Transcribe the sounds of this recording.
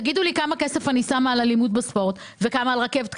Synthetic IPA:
ɡidulikamakese̞fanisamaːlalimud̚baspo̞ʁt | vekamaːlʁake̞vt

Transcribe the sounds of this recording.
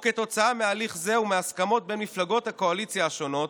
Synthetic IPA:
ket̪o̞t͡saamealiχzeumeaskamo̞t̚be̞nmiflaɡo̞thako̞alit͡sjaːʃo̞no̞t

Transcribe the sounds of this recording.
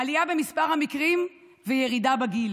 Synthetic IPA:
aliabe̞mispaʁhamikʁim | vejeʁidabaɡil

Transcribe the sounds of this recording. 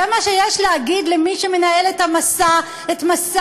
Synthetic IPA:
emaʃejeʃleaɡid̪lemiʃeme̞naelet̪amasa | etmas

